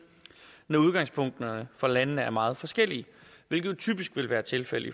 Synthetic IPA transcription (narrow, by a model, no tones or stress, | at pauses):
nɒuð̞ˠɡ̥ɑ̈ŋ̰spʰɔ̽ŋ̰d̥nəfɒ̽lænənəæɐmɑ̈ːð̞̩ˠfɒ̽sɡ̥el̰iəʋe̝lɡ̥ðˠt͡sʰy̰ːb̥isɡ̥ʋe̝lʋæːɐt͡sʰe̝lfel̰ḭ